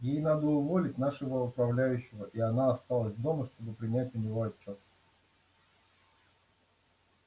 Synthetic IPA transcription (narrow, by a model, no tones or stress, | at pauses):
jejn̪ad̪əʊvo̞lʲɪtʲn̪aʂɨvəʊpɾɐvlʲæjʉɕːɪvəʔiɐnaɐst̪alˠəsʲvd̪o̞məʂt̪o̞bɨpɾʲɪnʲætʲʊnʲɪvo̞ɐt͡ɕːo̞t̪